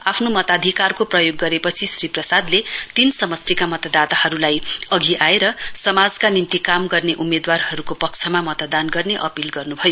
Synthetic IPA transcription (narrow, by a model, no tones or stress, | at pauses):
apʰnomʌt̪ad̪ʱikarkoprʌjoɡːʌɾepʌt͡sʰisriprʌsad̪let̪insʌmʌstikamʌt̪ʌd̪at̪ahʌɾulajʌɡʱiʔaeɾʌsʌmad͡zkanint̪ikamɡʌrneʔumed̪warhʌɾukopʌkt͡sʰʌmamʌt̪d̪anɡʌrneʔʌpilɡʌrnubʱʌjo